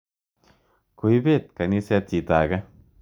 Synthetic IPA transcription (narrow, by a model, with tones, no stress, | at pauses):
ku˧jbe˦˨t̪̚ka˨ni˦sɛ˧t̪̚t͡ʃi˨t̪a˨ɡa˦